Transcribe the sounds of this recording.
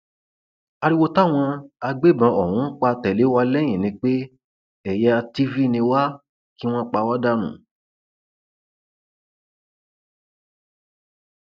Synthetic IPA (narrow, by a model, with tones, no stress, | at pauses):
a˧ɾi˦wo˧ta˦˨w̃ɔ̃˧a˧ɡ͡be˦˨bã˧ɔ˨hũ˨˦k͡pa˧tɛ˨le˨˦wa˧lɛ̃˦ĩ˨nĩ˧k͡pe˦ | ɛ˨jɛ˧a˧ti˦vi˦˧nĩ˧wa˦ | ki˦w̃ɔ̃˦k͡pa˧wa˦da˦nṵ̃˨